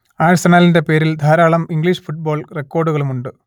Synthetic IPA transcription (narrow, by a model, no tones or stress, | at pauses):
aːɻsɐnaːlinde̞pe̞ːɾild̪ʱaːɾaːɭɐmiŋɡɭiːʂfuʈ̚bo̞ːɭrekːoːrɖuɣɐɭumuɳɖɨ